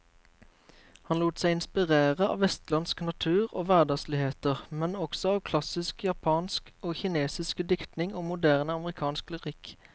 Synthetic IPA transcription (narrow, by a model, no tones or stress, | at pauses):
hɑnluːt̪sæɪɪnspɪʁeːʁəɑ̰ːʋɛst̪lɑnsknɑt̪ʰʉːʁo̰ːʋæʁd̪ɑɡslɪheːt̪əʁmɛnɔksɔɑːʋkʰlɑsɪskjɑpʰɑːnskoːçɪneːsɪskəd̪ɪkt̪nɪŋoːmʊd̪æːʁnəɑməʁɪkʰɑːnskləʁɪk